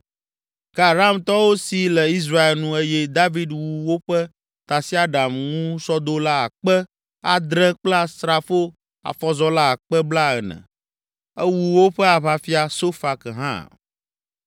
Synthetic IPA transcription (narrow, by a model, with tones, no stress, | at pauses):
ka˨ɾa˦mt̪ɔ˦wo˦si˨lɛ˨i˦s̬ɾa˦e˨lnũ˨e˦jɛ˦d̪a˦vi˦d̪wu˨wo˦ɸɛ˦ | t̪a˨si˦a˦ɖa˨mŋũ˦sɔ˦d̪o˦la˦a̰˨k͡pɛ˦ | a˨d̪ɾɛ̃˦k͡pla˦st̪ɾa˨fo˦ | a̰˨fɔ˦zɔ˦la˦˨k͡pɛ˦bla˦ɛ˨nɛ̰̃˨ | ɛ˦wu˨wo˦ɸɛ˦a˨βa˦fi˦a˨so˦fa˨kɛ˨ɦã̰˦˨